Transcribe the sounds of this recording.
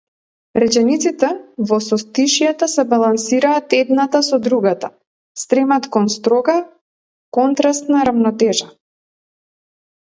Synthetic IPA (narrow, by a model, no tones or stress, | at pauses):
ɾɛt͡ʃɛnit̪sit̪ɛvɔsɔst̪iʃjat̪asɛbalˠansiɾaːt̪ɛd̪nat̪asɔd̪ɾuɡat̪a | st̪ɾɛmat̪kɔnst̪ɾɔɡa | kɔnt̪ɾast̪naɾavnɔt̪ɛʒa